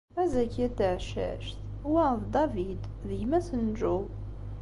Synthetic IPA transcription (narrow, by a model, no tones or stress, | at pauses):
æzækæt̪əʕʃæ̰ʃθ | wæðd̪ɑvid̪ | ðəjmæsənʒuw